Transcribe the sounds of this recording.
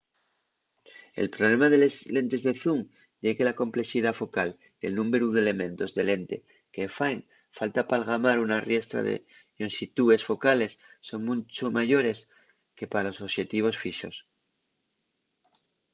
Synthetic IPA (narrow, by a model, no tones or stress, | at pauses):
e̞̰lpɾole̞maðe̞lezle̞nt̪e̞zðeθuŋ | ɟ͡ʝe̞ɣelako̞mple̞xiðafo̞kal | d̪e̞̰lnũmeɾuðele̞mẽ̞nt̪o̞zðe̞le̞nt̪e̞̰ | kefajn | falt̪apalɣ̞amaɾunarje̞st̪ɾa̰ðḛ | onsit̪ue̞sfo̞kale̞sːo̞ŋmũt͡ʃomaʝo̞ɾe̞s | ke̞palo̞soβʃe̞t̪iβ̞o̞sfiʃo̞̰s